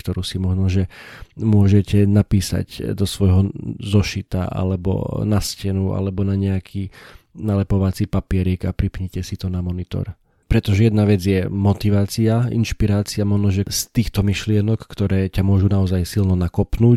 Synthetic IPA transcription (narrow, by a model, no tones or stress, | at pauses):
kt̪ɔɾuːsimɔʒnɔʒɛmʊɔʒɛcɛnapiːsa̰ɟd̪ɔsʋɔjɦɔzɔʃit̪a̰ʔa̰lɛbɔ̰nascɛnua̰lɛbɔnaɲɛakʰiːnalɛpɔʋat͡sipapɪɛɾɛkapɾipɲɛcɛsit̪ɔnamɔnit̪ɔ̰ɾ | pɾɛt̪ɔʒɛjɛd̪naʋɛd͡zɪjɛmɔt̪iʋaːt͡siaḭnʃpiɾaːt͡siamɔʒnɔʒɛst̪iːxt̪ɔmiʃlɪɛnɔkːt̪ɔɾɛːcamʊɔʒunaɔzajsilnɔnakɔpnuː